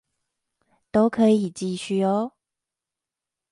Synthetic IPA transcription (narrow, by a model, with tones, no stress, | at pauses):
t̪o˥ʊkʰɤ˨˦i˨˩t͡ɕi˥˧ɕy˥˧ɔ˨˦